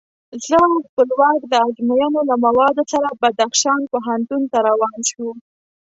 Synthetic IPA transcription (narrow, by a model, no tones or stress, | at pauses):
zəxpəlwɑkd̪əad͡ʒmajanolamawɑd̪osaɾabad̪axʃɑnpoɦant̪unt̪aɾawɑnʃu